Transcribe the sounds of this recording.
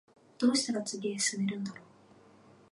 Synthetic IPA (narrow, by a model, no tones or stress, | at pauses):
d̪̥o̞ːɕi̥t̪aɾat͡sɨɡʲiːsɨmeɾɯ̟̃nd̪aɾo̞ː